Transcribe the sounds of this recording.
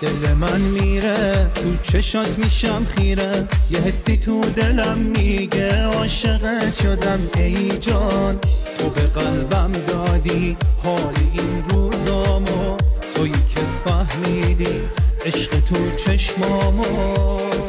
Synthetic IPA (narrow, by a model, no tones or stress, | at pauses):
d̪̥elemænmiːɾet̪ʰut͡ʃʰeʃɒt̪ʰmiːʃæmχiːɾæjeɦest̪iːt̪ʰud̪e̞læmːiːɟeɒːʃeɣeʃod̪æmejd͡ʒɒːnt̪ʰo̞be̞ɣælbæmd̪ɒːd̪ihɒːliinɾuzɒːmot̪ʰojikʰefæhmiːd̪iː | eʃɢet̪ʰot͡ʃʰeʃmɒːmo